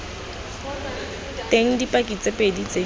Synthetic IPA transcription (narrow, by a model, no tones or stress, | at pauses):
tʼeŋ̩dipʼakʼit͡sʼepʼedit͡sʼe